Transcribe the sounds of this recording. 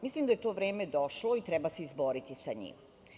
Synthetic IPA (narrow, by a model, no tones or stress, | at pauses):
mislimd̪ajt̪o̞ʋɾeːmed̪oʃloit̪ɾɛbase̞izboɾit̪isaɲḭːm